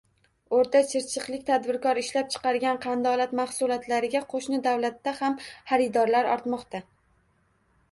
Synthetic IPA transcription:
oɾt̪at͡ʃʰɪɾt͡ʃʰɨqlˠɪk̚ʲt̪ʰad̪bɪɾkɒɾɪʃlap̚t͡ʃʰɨ̥qɑɾɡʲanqʰɑnd̪ɒlˠat̪mahsʊlˠɒt̪laɾɪɡʲaqʰoʃnɪd̪awlat̪ːahamhaɾɪd̪ɒɾlaɾɒ̰ɾt̪mɒqt̪a

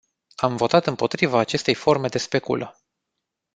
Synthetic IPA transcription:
amvo̞t̪at̪ɨmpo̞t̪ɾivaːt͡ʃe̞st̪e̞jfo̞rme̞d̪e̞spe̞kṵlʔə

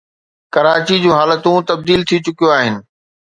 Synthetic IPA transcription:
kɐɾaːt͡ɕid͡ʑũːɦaːlət̪ũt̪ɐb̚d̪iːlt̪ʰit͡ɕʊkijoaːɦɪnɪ̆

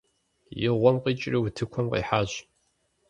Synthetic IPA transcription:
jɪʁʷɔmqiːt͡ʃʼriwutʰɨkʷʰɔmqḭːħaːʑ

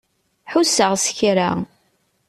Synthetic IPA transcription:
ħusəʁsə̥çɾa

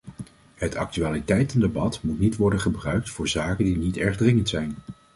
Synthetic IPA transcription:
ɦətʰɑ̰k̚tyaːlitɛjtɛndəbɑtmutnitʋɔɹdənχəbrœɥk̚tfʊːɹzaːkəndinitɛɹχdrɪŋəntsɛjn

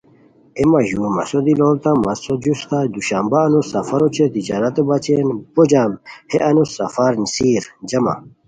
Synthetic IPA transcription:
emɐʑumɐ̰sod̪iloːlt̪amɐsod͡ʑust̪ad̪uɕambaːnusɐfɐɾot͡ɕʰet̪id͡ʑaːɾɐt̪ebat͡ɕenbod͡ʑaːmheʔɐnusɐ̰faɾnsiːɾd͡ʑɐma̰

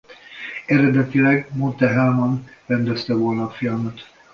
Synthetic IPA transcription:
ɛɾɛd̪ɛt̪ilɛɡmont̪ɛɦɛlmɒnrɛnd̪ɛst̪ɛvo̞lnɒːfilɒmɒt̪

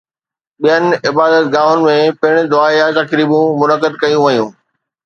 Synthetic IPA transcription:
ɓijənɪ̆ɪbaːd̪ət̪̚ɡaːʋʊnɪ̆mẽpɪɪɽ̃ɪ̆d̪ʊaːijãt̪ɐkɾiːbũmʊnəkəd̪kɐjũʋɐjũː

